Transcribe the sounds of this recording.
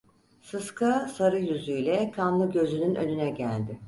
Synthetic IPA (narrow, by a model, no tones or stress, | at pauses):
sɯskʰasaɾɯjyzyjlʲɛkʰanlˠɯɟø̞zynynʔø̰nynɛɟælʲd̪ɪ